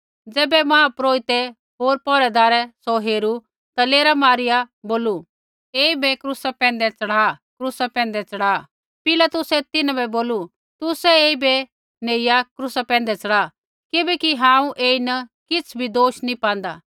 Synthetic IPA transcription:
d͡zɛːbɛmãːpɾoːɪt̪ɛ | ɦoːɾpɔːɾɛd̪aːɾɛsɔɦeːɾu | t̪aleːɾamaːɾɪjaboːlu | eːibɛkɾusapɛ̃ːn̆d̪ɛt͡sɐɽaːkɾusapɛ̃ːn̆d̪ɛt͡sɐɽaː | pɪlat̪ʊsɛt̪ɪnãbɛboːlu | t̪ʊsɛeːibɛ | neːɪjakɾusapɛ̃ːn̆d̪ɛt͡sɐɽaː | kɪbɛkiɦãːũʔeːinɐkɪt͡sʰbʱid̪oːʃnĩpãːnd̪aː

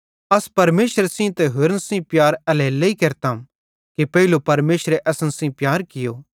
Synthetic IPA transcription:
ɐspɐɾmeːʃəɾsĩt̪ɛɦʊɾnsĩpjaːɾɛlɛːlːeikeːɾt̪ã | kipɐilupɐɾmeːʃɾeʔɐsənsĩpjaːɾkɪjoː

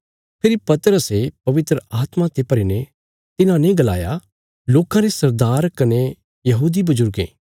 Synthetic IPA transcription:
pʰɪɾipɐt̪ɾəsepɐʋɪt̪ɾəʔaːt̪mãt̪epɐɾine | t̪ɪnãnẽɡɐla̰ːja | loːkãɾesɐɾd̪aːɾkɐne | jɐɦuːd̪ibɐzʊɾɡḛ̃ː

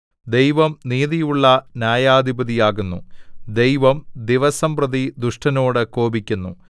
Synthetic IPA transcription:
d̪e̞jʋɐmniːðijuɭːɐnjaːjaːd̪ʱibɐðijaːɣunːud̪e̞jʋɐmd̪iʋɐsɐmprɐðid̪uʂʈɐno̞ːɽɨko̞ːbikʲːunːṵ

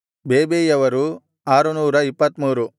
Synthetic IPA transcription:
beːbeːjɐʋɐɾu | aːɾunuːɾɐipːɐt̪muːɾu

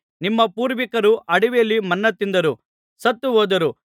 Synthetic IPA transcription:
nimːɐpuːɾʋikɐɾuʔɐɽiʋejɐlːimɐnːɐt̪ːind̪ɐɾu | sɐt̪ːuɦoːd̪ɐɾu

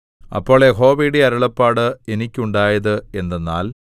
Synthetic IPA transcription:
ɐ̰pːo̞ːɭeɦo̞ːʋiːɽiɐɾɐɭɐpːaːɽɨe̞nikʲːuɳɖaːjɐðɨe̞nd̪enːa̰ːl

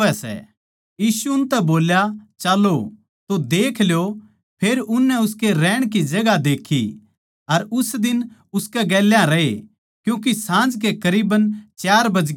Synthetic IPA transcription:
ɛsɛ̰ | jiːsuʊnt̪ɛboːljat͡ʃaːlo | t̪od̪eːkʰljo | pʰeːɾʊnːɛʊskeɾɛːɽ̃k̬id͡ʒɐɡad̪eːkʰḭ | ɐɾʊsd̪ɪnʊskɛɡɛːljãɾɐḛ | kjũːkisãːd͡ʒk̬ekɐɾiːbənt͡ʃjaːɾbɐd͡ʒ

